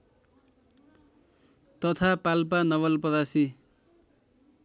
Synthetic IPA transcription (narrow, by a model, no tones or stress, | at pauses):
t̪ʌt̪ʰapalpanʌβʌlpʌd̪asi